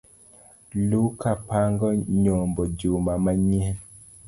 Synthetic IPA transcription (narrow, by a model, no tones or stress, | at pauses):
lukapaŋɡɔɲɔmbɔd͡ʒumamaɲihɛ